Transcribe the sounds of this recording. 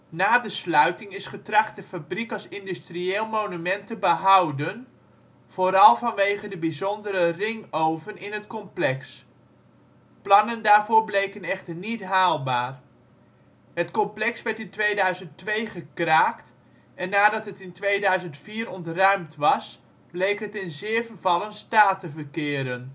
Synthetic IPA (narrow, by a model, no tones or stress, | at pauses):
naːdəslœɥtɪŋɪsχətrɑχtdəfabrikɑlˠsɪndystrieːlˠmownymɛntəbəɦʌwdən | v̥oːɾɑlˠvɑnʋejχədəbizɔndəɾərɪŋowvənɪnɦətkɔmplɛks | plɑnəndaːɹvʊːɹblejkənɛχtərnitɦaːlˠbaːr | ɦətkɔmplɛksʋɛɹtɪntʋejdœɥzənttʋejχəkraːkt | ɛnːaːdɑtɦətɪntʋejdœɥzəntfiːɾɔntrœɥmtʋɑs | blejkɦətɪnzɪːɹvərvɑlənstaːtəvərkɪːɾən